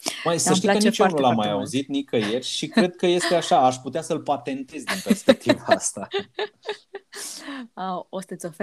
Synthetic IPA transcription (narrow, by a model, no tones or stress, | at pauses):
məjsəʃʃt̪ikət͡ʃounulamːajauzit̪nikəje̞rʲʃikɾe̞d̪̚kəje̞st̪eaʃaaʃʲput̪easəlpat̪e̞nt̪e̞zʲd̪inpe̞rspe̞k̚t̪ivaast̪a | awost̪ət̪sʲof